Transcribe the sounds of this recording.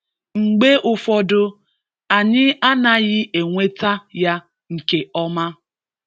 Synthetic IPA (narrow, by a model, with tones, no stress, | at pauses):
ŋ͡m̩˨ɡ͡be˦ʔʊ˦fɔ˦dʊ˦ | a˨ɲɪ˦a˦na˨ɣɪ˦ʔe˨ŋʷe˦ta˦ja˦ | ŋ̩˨ke˨ɔ˦ma˦